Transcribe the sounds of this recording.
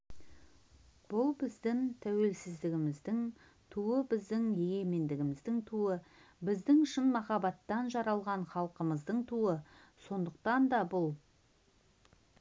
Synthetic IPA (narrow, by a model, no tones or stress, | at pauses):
b̥ʊlˠbɪzd̪ɪŋt̪ʰæwe̞lsɪzd̪ɪɡʲɪmɪzd̪ɪŋ | t̪ʰuəbɪzd̪ɪŋje̞ɡe̞me̞nd̪ɪɡʲɪmɪzd̪ɪŋt̪ʰuəbɪzd̪ɪŋʏʃɪnmɑχɑbɑt̪ːɑnʒɑɾɑlˠʁɑɴχɑlˠqəməzd̪əɴt̪ʰuəso̞nd̪əq̚t̪ɑnd̪ɑbʊlˠ